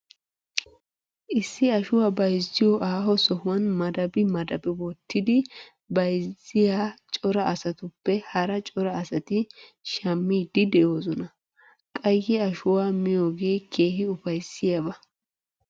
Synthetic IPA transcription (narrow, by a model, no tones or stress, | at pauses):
ʔɪsːɪɐʃʊwaːbɐjzːɪjɔʔaːɦɔsɔhʊwɐnmɐd̪ɐbɪmɐd̪ɐbɪbɔt̪ʰːɪd̪ɪ | bɐjzɪjaːt͡ʃʼɔɾɐʔɐsɐt̪ʊpːɛhɐɾɐt͡ʃʼɔɾɐːsɐt̪ɪʃɐmːiːd̪ɪd̪ɛjo̞ːzɔnɐ | kʼɐjːɛɐʃʊwaːmɪjo̞ːɡe̞ːkʰe̞ːhɪʊfɐjsːɪjɐbɐ